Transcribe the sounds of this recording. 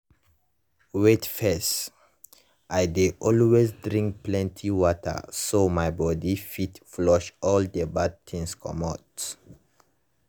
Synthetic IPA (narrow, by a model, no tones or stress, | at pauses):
wetfɛs | ʔajdeʔɔlwezdɹĩŋk̚plɛ̃ntʰiwɔtʰə̰somajbɔdifitflɔʃɔldəbad̚tʰĩŋskʰɔ̰̃mat